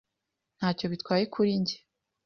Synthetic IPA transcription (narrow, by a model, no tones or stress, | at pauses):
n̥haːco̞βitwaːje̞kʰuɾiɲɟe